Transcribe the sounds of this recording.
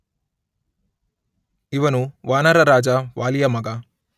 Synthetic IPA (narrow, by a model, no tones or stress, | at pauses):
iʋɐnuʋaːnɐɾɐɾaːd͡ʒɐʋaːlijɐmɐɡɐ